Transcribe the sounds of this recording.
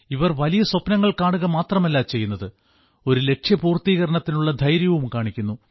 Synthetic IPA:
iʋɐrʋɐlijɐswopnɐŋːɐɭkaːɳuɣɐmaːt̪rɐmelːaːt͡ɕe̞jːunːɐðɨ | o̞ɾule̞kʂjɐpuːrt̪iːɣɐɾɐɳɐt̪ːinuɭːɐd̪ʱɐjɾjɐʋumkaːɳikʲːunːu

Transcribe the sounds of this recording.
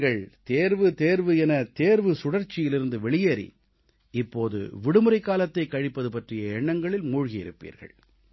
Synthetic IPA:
ɡɐɭt̪eːɾʋɯt̪eːɾʋɯɛnɐt̪eːɾʋɯsʊɽɐɾt͡ʃːɪjɪlɪɾɯnd̪ɯʋɛɭɪjeːɾḭ | ɪpːoːðɯ̰ʋɪɽɯmɯɾɐɪkːaːlɐt̪ːɐɪkːɐɻɪpːɐðɯpɐʈrɪjɐɛɳːɐŋɡɐɭɪlmuːɻɣijɪ̰ɾɯ̰pːḭːɾɣɐ̰ɭ

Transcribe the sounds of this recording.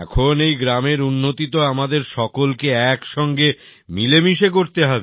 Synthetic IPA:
ɛkʰonejɡɾameɾunːot̪it̪oamad̪eɾʃɔkolkeɛkʃɔŋɡe | milemiʃekoɾt̪eɦɔbe

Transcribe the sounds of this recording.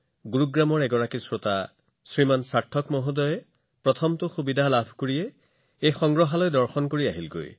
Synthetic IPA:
ɡuɹuɡɹamɔɹɛɡɔɹakisɹota | sɹimansatʰːɔkmoɦudɔjɛ | pɹɔt̪ʰɔmtʊxubidʱalabʱkoɹijɛ | ejxɔŋɡɹɔɦalɔjdɔɹxɔnkoɹiaɦilɡo̰j

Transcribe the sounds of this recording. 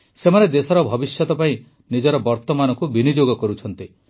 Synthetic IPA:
semaned̪esɔɾɔbʱɔbisjɔt̪ɔpaĩ | nid͡ʒɔɾɔbɔɾt̪ɔmanɔkubinid͡ʒoɡɔkɔɾut͡ʃʰɔnt̪i

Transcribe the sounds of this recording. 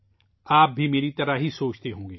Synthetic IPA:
aːp̚bʱimeːɾit̪ɐɾaɦisoːt͡ʃt̪eɦõːɡeː

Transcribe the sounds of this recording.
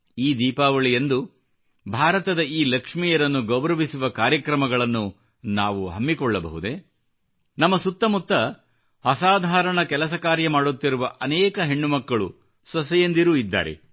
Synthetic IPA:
iːd̪iːpaːʋɐɭijend̪u | bʱaːɾɐt̪ɐd̪ɐiːlɐkʂmijɐɾɐnːuɡɔbɾɐʋisuʋɐkaːɾjɐkɾɐmɐɡɐɭɐnːu | naːʋuɦɐmːikɔɭːɐbɐ̰ɦud̪e̞ | nɐmːɐsut̪ːɐmut̪ːɐ | ɐsaːd̪ʱaːɾɐɳɐkɛlɐs̬ɐkaːɾjɐmaːɽut̪ːiɾuʋɐʔɐnɛːkɐɦe̞ɳːumɐkːɐɭu | sɐsɐjend̪iɾuid̪ːa̰ːɾe̞̰

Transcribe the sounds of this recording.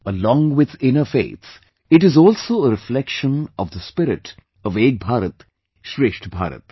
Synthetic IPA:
əlɔ̃ːŋwɪd̪ɪ̃nəfḛːt̪s | ɪʈɪzɔːlsoːəɾɪflɛkʃə̃nɔʋd̪əspɪɾɪʈ | ɔʋeːɡ̚bʱaːɾət̪ | ʃɾeːʃʈbʱa̰ːɾə̰t̪

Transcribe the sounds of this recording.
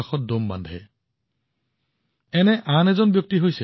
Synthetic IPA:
axɔt̚domba̰ndʱɛ̰ | ɛnɛʔanɛzɔnbjɔk̚tiɦojsɛ

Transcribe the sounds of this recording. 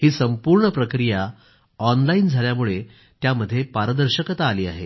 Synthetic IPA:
hiːsəmpuɾɳəpɾəkɾija | ɔnlaiːnd͡zʱaljamuɭe | t̪jaməd̪ʱːjepaɾəd̪əɾɕəkət̪aːliːaɦḛ

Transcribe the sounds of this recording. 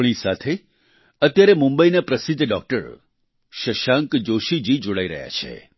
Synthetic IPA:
ɽ̃isat̪ʰe | ət̪jaɾemũmbəinapɾəsid̪ʱːɖɔk̚ʈə̰ɾ | ʃəʃãŋkd͡ʒoʃid͡ʒid͡ʒoɽaiɾə̰ɦja̰t͡ʃʰḛ

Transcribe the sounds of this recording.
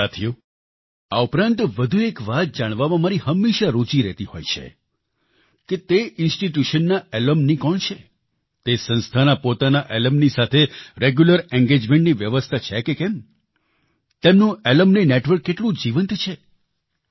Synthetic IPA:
sat̪ʰijo | aupɾãnt̪ʋəd̪ʱuekʋat̪̚d͡ʒaɽ̃ʋamãmaɾihəmːeʃaɾot͡ʃiɾɛt̪iho̰jt͡ʃʰḛ | ket̪eɪnsʈiʈjuʃənːaɛləmnikɔɳt͡ʃʰe | t̪esə̃nst̪ʰanapot̪anaʔɛləmnisat̪ʰeɾeɡjuləɾɛ̃ŋɡed͡ʒmẽɳʈniʋjəʋəst̪ʰat͡ʃʰekekɛm | t̪emnũeləmneneʈʋəɾkːeʈlũd͡ʒiʋənt̪t͡ʃʰe

